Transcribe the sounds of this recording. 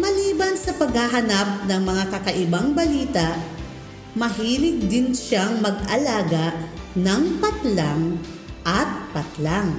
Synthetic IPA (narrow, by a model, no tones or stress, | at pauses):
mɐliːbɐnsɐpɐɡhaɦɐnap̚nɐŋmɐŋakɐkɐʔɪbaŋbɐliːt̪aʔ | mɐɦiːlɪɡ̚d̪ɪnʃaŋmɐɡʔɐlaːɡanɐŋpɐt̪laŋ | ʔɐt̪̚pɐt̪laŋ